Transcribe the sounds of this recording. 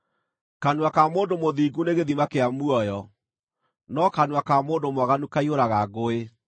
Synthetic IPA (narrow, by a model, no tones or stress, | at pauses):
kanuakamoːndomoðiːɡuneɣeðimakeamuɔjɔ | nɔkanuakamoːndomwaɣanukaioɾaɣaɣoe